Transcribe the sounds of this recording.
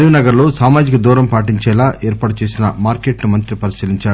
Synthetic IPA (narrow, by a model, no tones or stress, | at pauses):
ɾiʋinɐɡɐɾloːsaːmaːd͡ʒikɐd̪uːɾɐmpaːʈ̬iɲt͡ʃɛːlaːʔɛːɾpaːʈut͡ʃe̞ːsinɐmaːɾkeːʈnumɐnt̪ɾipɐɾisiːliɲt͡ʃaː